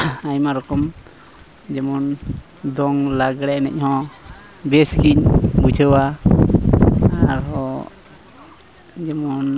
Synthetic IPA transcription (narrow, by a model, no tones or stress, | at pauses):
ajmaɾɔkɔm | d͡ʒɛmɔn | d̪ɔŋlaɡɽɛnɛ̰c̚ˀhɔ̃ | bɛskiɲbud͡ʒʰʱəwa | aɾɦɔ | d͡ʒɛmɔn